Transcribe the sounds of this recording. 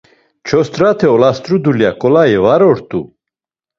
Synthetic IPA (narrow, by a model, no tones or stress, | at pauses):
t͡ʃʰɔst̪ʼɾat̪ʰɛɔlast̪ʼɾud̪uljakʼɔlaivaɾɔɾt̪ʼu